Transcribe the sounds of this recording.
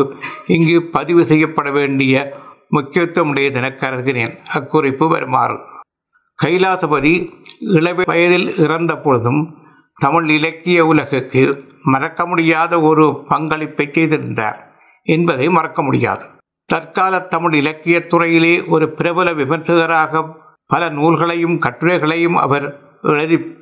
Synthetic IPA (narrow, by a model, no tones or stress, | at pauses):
ɪŋɡepɐðɪʋɯsɛjːɐpːɐɽɐʋeːɳɖɪjɐmʊkːɪjɐt̪ːɾɐmɯɽɐjɐd̪ɪnɐkːɐɾɐðɣɪneːnɐkːʊrɪpːɯʋɐ̰ɾɯma̰ːrɯ̰ | kɐɪlaːðɐbɐðiɪɭɐʋeʋɐjɐðɪlɪrɐnd̪ɐpːɔɻɯðɯm | t̪ɐmɯɭɪlɐkːɪjɐʊlɐɣɐkːɯmɐrɐkːɐmʊɽɪjaːðɐɔɾɯpɐŋɡɐɭɪpːɐɪt͡ʃːɛɪðɪɾɯnd̪a̰ːɾ | ɛnbɐðɐɪmɐrɐkːɐmʊɽɪ̰ja̰ːðɯ | t̪ɐɾkaːlɐt̪ːɐmɪɭɪlɐkːɪjɐt̪ːʊrɐjɪleːʔɔɾɯpɪɾɐʋɐlɐʋɪmɐɾt̪ɯɣɐɾaːɣɐ | pːɐlɐnuːlɣɐɭɐjɯmkɐʈːɯɾɐɪɣɐɭɐjɯmɐ̰ʋɐɾ | ʔɛɻɐðɪ